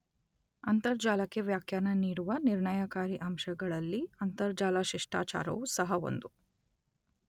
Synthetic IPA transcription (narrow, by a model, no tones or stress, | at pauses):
ɐnt̪ɐɾd͡ʒaːlɐkːeʋjaːkʰjaːnɐniːɽuʋɐniɾɳɐjakaːɾiʔɐmʃɐɡɐɭɐlːiɐnt̪ɐɾd͡ʒaːlɐʃiʂʈa̰ːt͡ʃa̰ːɾɐ̰ʋusɐɦɐo̞̰nd̪u